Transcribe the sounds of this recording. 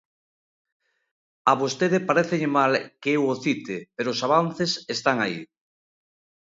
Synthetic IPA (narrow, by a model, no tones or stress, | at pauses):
aβost̪eðepaɾeθeʎemalkeewoθit̪epeɾoːsaβ̞an̟θesest̪aŋaḭ